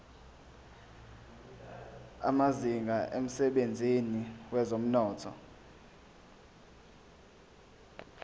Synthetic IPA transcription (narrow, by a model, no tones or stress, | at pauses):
a̰maziŋɡʱaʔem̩sɛɓend͡zʱiniwɛzom̩nɔːtʰɔ̰